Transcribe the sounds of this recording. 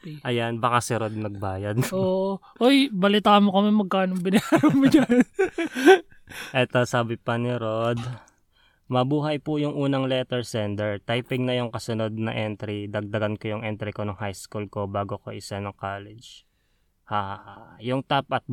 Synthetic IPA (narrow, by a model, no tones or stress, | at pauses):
ʔɐjanbɐkasɪɾod̪̚mɐɡ̚baːjɐd̪ʔoʔʔ | ʔojbɐlɪt̪aːmokɐmɛmɐɡ̚kaːnoŋbɪnɐaːɾɐmoɲan | ʔɛt̪o̞saːbɪpɐnɪɾod̪ | mɐbuːɦɐjpʊjʊŋʔuːnɐŋlɛt̪ɛɹsɛnd̪ɛɹt̪ajpɪŋnɐjʊŋkɐsʊno̞d̪̚nɐ̰ʔɛnt̪ɾid̪ɐɡ̚d̪ɐɡɐnkojʊŋʔɛnt̪ɾikonʊŋhajskulko̞baːɡokoʔɪsɐnɐŋkaːlɛd͡ʒ | haːhahajʊŋt̪ap̚ʔɐt̪̚